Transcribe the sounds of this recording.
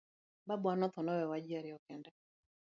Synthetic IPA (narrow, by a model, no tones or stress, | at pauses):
babɔanɔt̪ɔnɔwɛwad͡ʒiaɾɪɔkɛndɛ